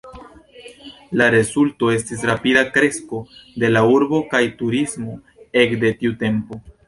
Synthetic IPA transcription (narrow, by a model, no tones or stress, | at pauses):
laɾe̞zulto̞e̞stis̬ɾapidakɾe̞sko̞de̞lauɾbo̞kajtuɾismo̞ | e̞kde̞tiute̞mpo̞